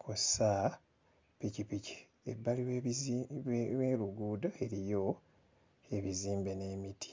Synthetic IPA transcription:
kʰosa | picipici̥ | ḛbːali | weːluɡuːdae̞ɾijo̞ | e̞βiziːmbe̞ne̞ːmitʰi̥

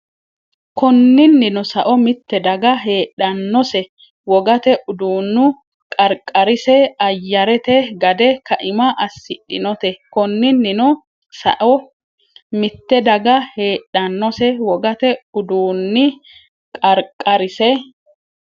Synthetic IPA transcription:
kɔnːɪnːɪnʊsɐʔɔmɪt̪ːɛd̪ɐɡɐɦe̞ːɗːɐnːɔsɛ | wɔɡɐt̪ɛʔʊd̪uːnːʊ | kʼɐɾkʼːɐɾɪsɛɐjːɐɾɛt̪ɛɡɐd̪ɛkɐʔɪmɐʔɐsːɪᶑɪ̰nɔt̪ɛkɔnːɪnːɪnɔ | sɐ̰ʔɔ | mɪt̪ːɛd̪ɐɡɐheːɗːɐnːɔsɛwɔɡɐt̪ɛʊd̪uːnːɪ | kʼɐɾkʼːɐɾɪsɛ

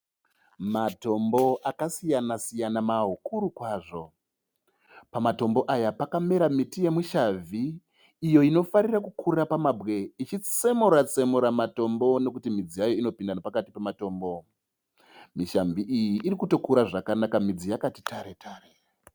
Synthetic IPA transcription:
mato̞mbo̞ʔakasijanasijanamaɦokuɾukwaːʐo̞ | pamato̞mbo̞ʔajapakame̞ɾamitije̞muʃavʱiː | jo̞ino̞faɾirakukʰurapamabɣe̞it͡ʃit͡se̞muɾat͡se̞muɾamato̞mbo̞no̞kutimid͡zijajoino̞pindanopakatipemato̞ːmbo̞ | miʃamviʔijiʔːɾikuto̞kuɾaʐakanakamid͡zijakati̥taɾe̞tʰaːre

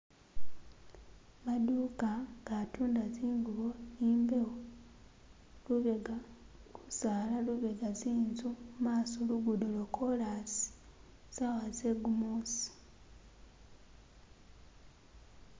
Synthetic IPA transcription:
maduːkaŋɡatuːndaziːŋɡuβonimbewo | luβeɡaku̥zalaluβeɡaziːnzumumaːsoluɡudulokʰolasi̥ | z̥awazeɡumuːsi̥

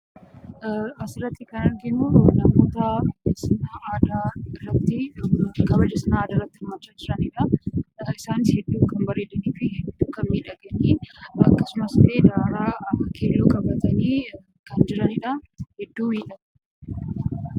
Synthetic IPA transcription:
ɐsɪrɐt̪ːɪkɐnɐɾɡɪnunɐmo̞ːt̪ɐsnɐʔaːd̪aːrːɐt̪ːɪkɐbɐd͡ʒːɛsɐnaaːd̪aːrɐt̪ːɪɾmat͡ʃːaːd͡ʒɪɾɐnɪᶑɐ | ɪsaːnɪshɛd̪ːuːŋkɐmbɐɾeːd̪ɐniːfɪhɛd̪ːuːkɐnmiːᶑɐɡɐniːɐkːɐsʊmɐsleːd̪aːɾaːkeːlːuːkʼɐbɐt̪ɐniː | kɐnd͡ʒɪɾɐnɪᶑɐhɛd̪ːuːmiːᶑɐ

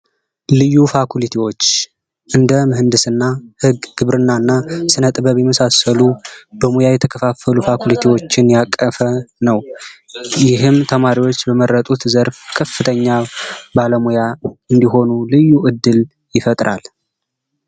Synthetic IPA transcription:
lɨjːufakʰulit̪ʰiwo̞t͡ʃː | ʔɨnd̪əmɨɦɨnd̪ɨsɨnːahɨɡɡ̥ɨβɾɨnːanːasɨnət̪ʼɨbəβjɛməsasəlubəmujajɛt̪ʰəkʰəfafəlufakulit̪ʰiwo̞t͡ʃːɪnjakʼːəfənəw | jɪɦɨmt̪ʰəmaɾiwo̞t͡ʃːbəməɾːət̪ʼut̪zəɾfkʰəfːɨt̪ʰəɲːabaləmujaɨnd̪iɦo̞nulɨjːuʔɨd̪ːɨl | jɪfət̪ʼɾʔa̰l

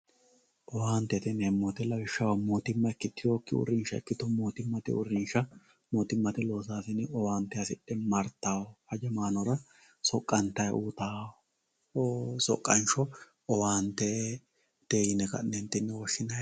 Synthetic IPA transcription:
ʔɔwaːnt̪ɛt̪ɛnɛmːɔt̪ɛlɐwɪʃːɐwɐmoːt̪ɪmːɐɛkːɪt̪ːɪjoːkːɪʊ̰ɾɪnʃɐɛ̰kːɪt̪ɔmoːt̪ɪmːɐt̪ɪ̰ʊ̰ɾɪnʃɐ | moːt̪ɪmːɐt̪ɪlo̞ːs̬aːsɪnɔwaːnt̪ːɛɐsɪɗɛmɐɾt̪ːaːhɐd͡ʒɛmaːnɔɾɐ | sɔkʼːɐnt̪ɐjʔuːt̪aː | sɔ̰kʼːɐnʃɔ | ɔwaːnt̪ɛ | d̪̥eːjɪnɛkɐ̰nnɛnt̪ːɪnːɛwɔʃːɪnɐj

